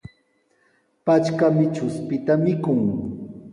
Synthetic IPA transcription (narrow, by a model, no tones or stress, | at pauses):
pat͡ʃkamɪt͡ʃʊspɪt̪amɪkʊŋ